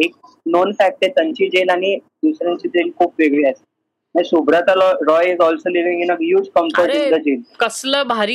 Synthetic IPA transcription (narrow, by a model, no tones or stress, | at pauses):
ek̚ | nonfæk̚ʈet̪əɲt͡ɕid͡ʑelaɽ̃i | d̪usɾãɲt͡ɕiːd͡zelkʰuːpʋeɡɭias | anisubɾat͡salɔɾɔjizɔlsoliʋĩŋinəkɦjuːd͡zkəmʈəɾʈind̪əd͡ʑelkəsləbʱaɾi